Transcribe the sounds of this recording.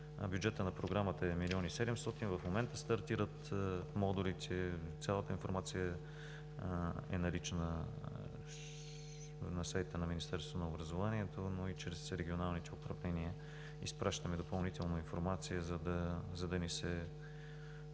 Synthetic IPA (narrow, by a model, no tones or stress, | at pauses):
bjud͡ʒɛt̪ənɐpɾoɡɾamət̪əɛmiliɔnisɛd̪ɛmst̪ɔt̪invɐfmomɛnt̪əst̪ɐɾt̪iɾət̪mɔd̪oɾit̪ʰɛt̪sʲjalˠət̪əinfoɾmat̪sijə | ɛ̰nɐlit͡ʃnə | nɐsajt̪t̪ənɐminist̪ɛɾst̪vonɐʊbɾɐzovaniɛt̪onoit͡ʃɾɛsɾɛɡʲionalˠnit̪ɛʊpɾɐvlɛniə | ḭspɾʔaʃt̪əmɛd̪opɐlˠnit̪ɛlˠnəinfoɾmat̪sijəzɐd̪ɐzɐd̪ɐnisɛ